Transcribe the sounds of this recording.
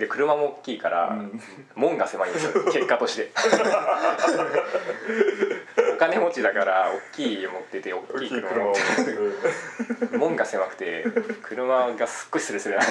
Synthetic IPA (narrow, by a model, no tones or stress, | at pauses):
d̪e̞kɯ̟ɾɯ̟mamo̞ːkʲːiːkaɾa̰ | mõ̞ŋɡase̞maimɨke̞kːat̪o̞ɕi̥t̪e̞ | okane̞mo̞t͡ɕid̪akaɾaokʲːiːomot̪ːet̪e̞o̞kʲːiːkɯɾɯma | mõ̞ŋɡase̞makɯ̟̥t̪e̞kʰɯ̟ɾɯ̟maɡasɨ̥kːo̞ɾi̥sɨɾɯ̟sɨɾɯna